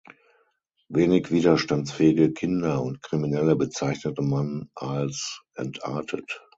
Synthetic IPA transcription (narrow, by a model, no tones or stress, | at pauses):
veːnɪçv̥iːɾɐʃtant͡sfɛːɪɡəkʰɪndɐʊntkʁ̥iminɛləbət͡saɪçnətəmanʔalsʔɛ̰ntʔa̰ɐtʰə̰t